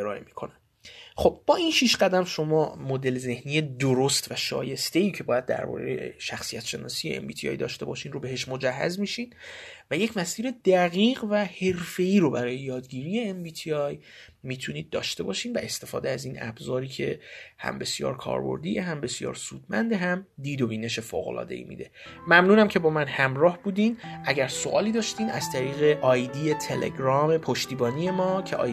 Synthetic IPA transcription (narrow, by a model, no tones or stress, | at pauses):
eɾɒːʔemi̥kʰo̞næm | xo̞b̥̚bɒːinʃiːʃɢæd̪æmʃo̞mɒːmod̪e̞lze̞hniːjed̪oɾost̪væʃɒ̰ːje̞st̪e̞iːcʰe̞bɒːjæd̪̚ːæ̰ɾbɒ̰ːɾḛjḛʃæxsijæt̪ʃe̞nɒ̰ːsijeḛmbiːt̪ʰiɒ̰ːjd̪ɒ̰ːʃt̪e̞bɒːʃiːnrobe̞ɦe̞ʃmod͡ʒæhːæ̰zmiʃiːnvæjecmæsiːɾe̞d̪̥æɣiːɢvæhe̞ɾfe̞iːɾo̞bæɾɒːjejɒːd̪ɟiːɾiːe̞embiːt̪ʰiɒj | miːt̪ʰuniːd̪̚ːɒ̰ːʃt̪e̞bɒːʃiːnvæʔe̞st̪e̞fɒ̰ːd̪eæziːnæ̰bzɒːɾiːcʰe̞hæ̰mbe̞sijɒ̰ːɾkʰɒ̰ːɾbo̰ɾd̪ijeɦæmbe̞sijɒ̰ːɾsuːd̪̥mænd̪eɦæmd̪iːd̪obiːne̞ʃe̞fo̰ːɣo̰lɒ̰ːd̪e̞̰ḭmḭːd̪e̞̰mæmnuːnæmcʰe̞bɒːmænhæmɾɒːhbuːd̪iːnʔæɟæɾso̞ʔɒːliːd̪ɒːʃt̪iːnæz̥t̪ʰæɾiːɣe̞ʔɒːjd̪iːjet̪ʰelʔe̞̰ɡɾɒːme̞pʰoʃt̪iːbɒːnije̞mɒːcʰe̞ʔɒː